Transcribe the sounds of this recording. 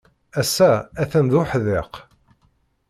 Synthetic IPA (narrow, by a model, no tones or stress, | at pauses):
æsːææθænðʊħðɪq